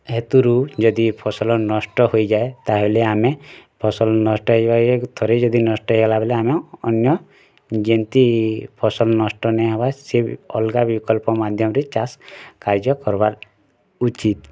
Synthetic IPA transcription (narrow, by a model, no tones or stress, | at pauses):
ɦet̪uɾud͡ʒɔd̪ipʰɔsɔlɔnɔsʈɔɦojd͡ʒaet̪aɦeleamepʰɔsɔlɔnɔsʈɔɦebaet̪ʰoɾed͡ʒɔd̪inɔsʈɔɦeɡɔlabeleameɔ̰njɔ | d͡ʒent̪ipʰɔsɔlɔnɔsʈɔnɛɦabasebɔlɡabikɔlpɔmad̪ʱjɔmɔɾet͡ʃaskaɾd͡ʒɔkɔɾbaɾ | ut͡ʃit̪